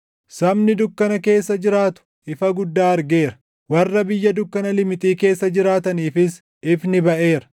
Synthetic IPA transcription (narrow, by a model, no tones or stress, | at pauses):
sɐmnɪd̪ʊkːɐnɐke̞ːsːɐd͡ʒɪɾaːt̪ʊ̥ | ɪfɐɡʊd̪ːaːɐɾɡe̞ːɾɐ̥ | wɐrːɐbɪjːɐd̪ʊkːɐnɐlɪmɪt̪ʼiːke̞ːsːɐd͡ʒɪɾaːt̪ɐniːfɪs | ɪfnɪbɐʔe̞ːɾɐ̥